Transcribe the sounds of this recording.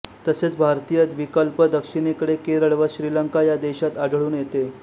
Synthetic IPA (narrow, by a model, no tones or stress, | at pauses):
t̪əset͡sbʱaɾt̪ijət̪ʋikəlpəd̪əkʂiñekəɽekeɾəɭʋəɕɾiləŋkajad̪eɕat̪aɖʱɭuːnjet̪e